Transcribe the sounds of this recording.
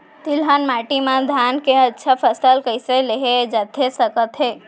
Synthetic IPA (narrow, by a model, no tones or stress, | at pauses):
t̪ilɦanmaʈimãd̪ʱjankeətːʃʰapʰəsəlkəɪseleɦed͡ʒat̪esəkət̪ɦe